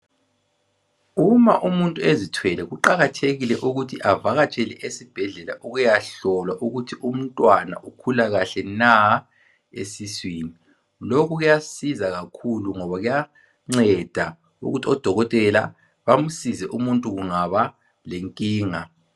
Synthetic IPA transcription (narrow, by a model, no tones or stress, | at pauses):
umaʔumuntʼuezitʰwɛlɛɣuǃaɣatʰeɣilɛʔuɣutʰiʔavaɣat͡ʃʼɛlɛʔesib̥ʱɛɮɛlaʔuɣujaɬɔlwaʔuɣutʰiʔum̩ntʼwana̰ʔukʰulaɣaɬɛna | ḛsiswiːni | lokuɣujasizaɣakʰuluŋɔβaɣuja | ŋ͡ǀɛd̥ʱa | ṵɣutʰiɔd̥ʱɔɣɔtʼɛla | βam̩sizɛʔumuntʼuɣuŋaβa | leŋkʼiːŋa